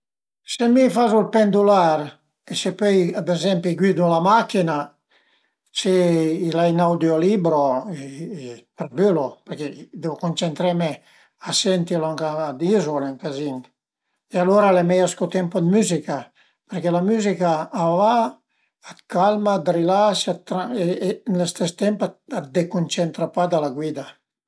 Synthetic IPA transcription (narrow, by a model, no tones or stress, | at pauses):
semifazulpend̪ulaɾ | esepøjapezɛmpiɡwid̪ulamakina | t͡ʃeilajnawd̪jɔlibɾoeːpɾebølopɛɾked̪eokont͡ʃent̪ɾɛme | asɛnt̪iloŋkaːd̪izoleŋkazin | ealoɾalemɛjaskot̪ɛmpod̪myzika | pɛɾkelamyzikaːvaː | t̪kalmad̪ɾilaʃat̪ːɾaenlest̪ɛst̪ɛmpaad̪ekont͡ʃent̪ɾapad̪alaɡwid̪a